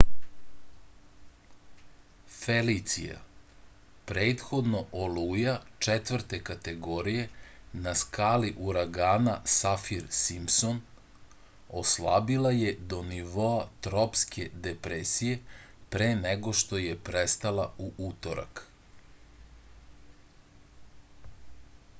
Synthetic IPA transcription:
felit̪sḭja̰ | pɾeːt̪xo̞d̪no̞ʔoluːjat͡ʂet̪ʋvrɾt̪e̞kat̪eɡoɾije̞naskaːliʔuɾaɡaːnasafiɾsimson | oslˠabilˠaje̞d̪o̞niʋo̞at̪ɾopskʰe̞d̪epɾesije̞ | pɾeːneɡo̞ʃt̪o̞jepɾest̪alˠauʔut̪oɾa̰k

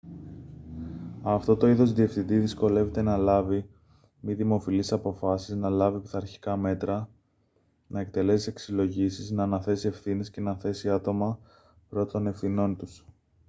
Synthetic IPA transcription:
ɐft̪o̞t̪o̞iðo̞zðie̞fθind̪iðisko̞le̞ve̞t̪e̞nɐlɐvi | miðimo̞filisɐpo̞fɐsiznɐlɐvipi̥θɐɾçi̥kɐme̞t̪ɾɐ | nɐek̚t̪e̞le̞sise̞ksilo̞ʝisiznɐːnɐθe̞sie̞fθine̞sce̞nɐθe̞siɐt̪o̞mɐ | pɾo̞t̪t̪o̞ne̞fθino̞nt̪us

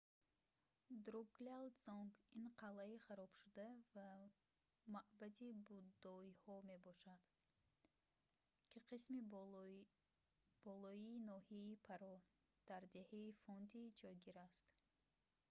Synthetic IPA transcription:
d̪ɾuɡlelzɔŋɡinqʰalːaiχaɾɔb̥ʃud̪ava | maʔbad̪ibud̪ːɔihɔme̞bɔʃad̪̥ | kʰiqʰismi | b̥ɔlɔiːnɔhiaipʰaɾɔ | d̪̥aɾd̪e̞haifɔnd̪id͡ʒɔjɡiɾast̪

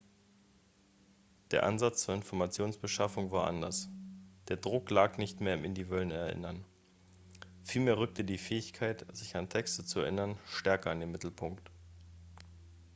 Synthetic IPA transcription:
d̥eːɐʔa̰nzat͡st͡suːɐɪnfɔɐmat͡sjoːnsb̥əʃafʊŋvaːɐʔa̰ndɐsd̥eːɐdʁʊklaːknɪçtmeːɐɪmʔɪndivœlənɛɐʔɪ̰nɐn | fiːlmeːɐʁʏk̚tədiːfɛːɪçkʰaɪtz̥ɪçantʰɛkstət͡suɛɐʔɪnɐnʃtɛɐkɐandeːnmɪtl̩pʰʊŋkt

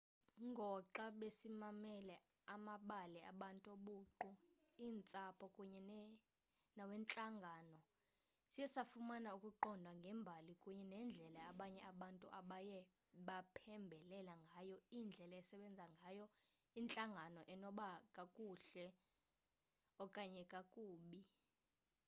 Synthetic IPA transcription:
ŋɡʱɔǁaɓesimamɛlɛ | amaɓalɛa̰ɓantʼoɓuːǃu | iːnt͡sʼapʰɔkʼuɲɛn | nawɛnt͡ɬʼaŋɡʱaːnɔ | sijɛsafumanaukʼuǃɔndʱwaŋɡʱɛmbʱalikʼuɲɛnɛnd͡ɮʱɛlaːɓaɲɛaɓantʼṵʔaɓajɛ | ɓapʰɛmbʱɛlɛlaŋɡʱajɔind͡ɮʱɛlajɛsɛɓɛnd͡zʱaŋɡʱajɔ | int͡ɬʼaŋɡʱanɔʔɛnɔɓakʼakʼuɬɛ | ɔkʼaɲɛkʼakʼuːɓi

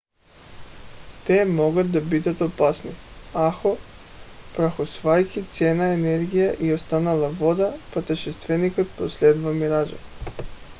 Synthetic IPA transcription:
t̪emoɡad̪abid̪at̪opasniaxo | pɾaxosʋajkit̪sjeːnaeneɾɡijaʔiost̪analaʋo̞d̪apat̪eʃest̪ʋenikat̪̚pɾoslʲed̪vamiɾad͡ʒa̰

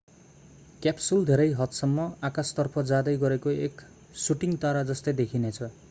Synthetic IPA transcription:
kjapsuld̪ʱeɾʌjɦʌt̪sʌmːʌakast̪ʌrpʰʌd͡zad̪ʌjɡʌɾekoek | suʈiŋt̪aɾad͡zʌst̪ed̪ekʰinet͡sʰʌ

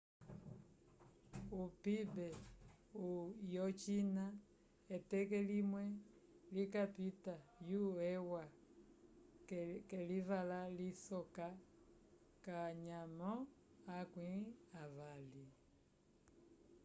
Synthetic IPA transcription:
upibɛ | ujɔt͡ʃina | ɛtɛkɛlimwɛ | likapitajuɛwa | kɛlivalalisɔka | kaɲamɔ | akwĩavali

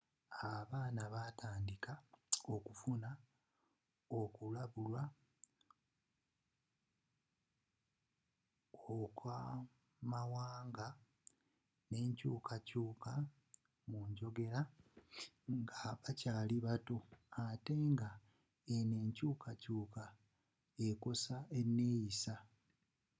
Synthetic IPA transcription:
aβaːnaβataːndikaokufuna | okulaβulwa | okʰwa | mawaːŋɡa | ne̞ːɲcuːkacuːka | muːɲɟo̞ɡe̞ɾa | ŋɡaβacaːliβatoate̞ŋɡa | ene̞ːɲcuːkʰacuːka | e̞ko̞sae̞nːe̞ːjisa

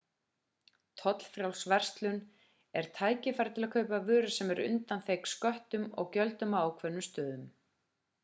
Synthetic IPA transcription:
t̪ʰɔt̪l̥fɾjawlsvɛr̥st̪lʏn | ɛɾ̥t̪ʰaːjcɪfaːɾt̪ʰɪlakʰœːɥpavʏːɾʏsɛmɛɾʏ̰nt̪anθejkskœht̪ʏmɔ̰ɣcœlt̪ʏmaːwkʰvɛnːʏmst̪œːðʏm

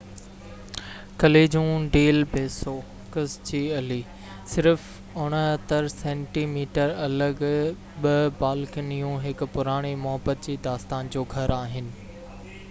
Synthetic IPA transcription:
kɐleːd͡ʑũːɖeːlpeːsoː | kəst͡ɕiːɐliː | sɪɾf | ʊɽ̃ɐt̪əɾsẽːɳʈiːmiːʈəɾɐləɡ | ɓɐbaːlknijũɦɪkʊ̆pʊɾaːɽ̃imʊɦəbət̪̚d͡ʑiːd̪aːst̪aːnd͡ʑoːɡʱɐɾaːɦɪnɪ̆

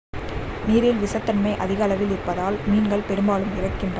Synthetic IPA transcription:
miːɾɪlʋɪsɐt̪ːɐnmɐɪʔɐðɪɣɐɐlɐʋɪlɪrpːɐðaːlmiːnɡɐɭpɛɽɯmbaːlɯmɪrɐkːɪndrɐ

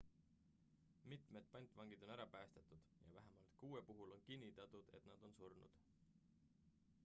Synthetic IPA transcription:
mit̪ˑme̞d̪̥̚pɑnʲt̪ːˑvɑŋɡ̥id̪̥o̞næɾɑpæːst̪et̪ud̪̥jɑ̰væɦemɑlt̪kuːwepuɦulo̞nkinʲːit̪ˑɑt̪ud̪̥e̞̰t̪nɑd̪̥o̞nsurnṵd̪̥

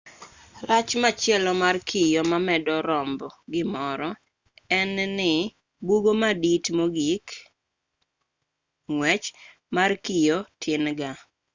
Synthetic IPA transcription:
rat͡ʃmat͡ʃjɛlɔmarkʰijomamɛdɔɾɔmbɔɡɪmɔɾɔ | ɛnnɪ | buɡomaditmoɡik | ŋwɛt͡ʃ | markijotʰɪnɡa

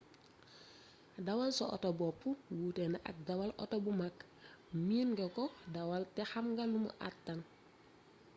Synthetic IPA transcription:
dawalsɔʔɔ̰tobɔpːuwutɛnaʔa̰k̚dawalʔɔ̰tobumak | miːnɡɛkɔdawaltɛhamɡalːumṵʔa̰tːan

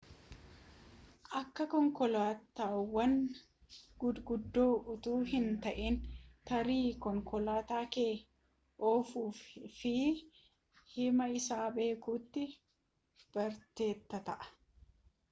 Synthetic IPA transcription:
ʔɐkːɐkɔŋkɔlaːt̪ːaːwɐn | ɡʊɡʊd̪ːo̞ːʔʊt̪uːhɪnt̪ɐʔeːnt̪ɐɾiːkɔŋkɔlaːt̪aːkeː | ʔoːfuːfɪ | hɪmɐɪsaːbe̞ːkuːt̪ːɪ | b̥ɐɾt̪e̞ːt̪ːɐt̪ɐʔɐ̥

